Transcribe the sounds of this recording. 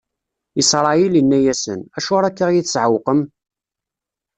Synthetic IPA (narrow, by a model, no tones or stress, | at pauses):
isɾˤɑjilənːæjæsə̰næʃʊɾˤækːaʁjiθsʕəwqəm